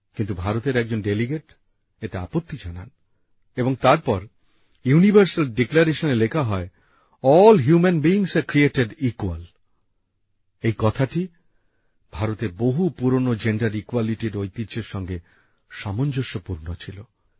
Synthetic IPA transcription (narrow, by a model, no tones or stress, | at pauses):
kint̪ubʱaɾot̪eɾɛk̚d͡ʑonɖeliɡeʈ | et̪ea̰pot̪ːid͡ʑana̰n | eboŋt̪aɾpɔɾ | junibʱaɾsalɖeklaɾeʃonelekʰaɦɔe | ɔlɦjumenbiːŋseɾkɾieʈeɖikwal | ejkɔt̪ʰaʈi | b̥ʱaɾot̪eɾboɦupuɾonod͡ʑeɳɖaɾikwaliʈiɾojt̪id͡ʑeɾʃɔŋɡe | ʃamond͡ʑoʃopuɾnot͡ɕʰilo